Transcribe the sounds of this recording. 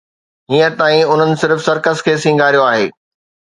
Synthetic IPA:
ɦiːə̃t̪aːĩʊn̤ənɪ̆sɪɾfsɐɾkəskʰeːsĩŋɡʱaːɾijoaːɦeː

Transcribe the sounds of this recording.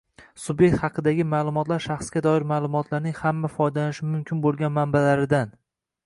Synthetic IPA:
sʊbje̞k̚ʲt̪hɑqʰɨd̪aɡʲɪmaːlˠʊmɒt̪laɾʃɑχsɡʲad̪ɒɪɾmaːlˠʊmɒt̪ʰlaɾnɪŋʲhamːafɒjd̪alanɪʃɪmʊmkʲʰɪnbolˠɡʲanmanbalaɾɪd̪an

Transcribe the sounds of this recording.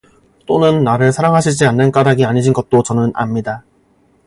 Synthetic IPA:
t͈onɯnːaɾɯɭsʰaɾaŋɦaɕʰid͡ʑianːɯnk͈adaɡiaɲiɕʰinɡʌt̚t͈ot͡ɕʌnɯnʔa̰mɲida

